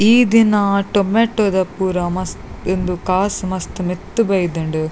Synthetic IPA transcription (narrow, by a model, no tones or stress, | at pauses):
iːd̪inɐʈomeːʈːod̪ɐpuːɾɐmɐstend̪ukaːsmɐst̪umit̪ːubɐjd̪ɐɳɖu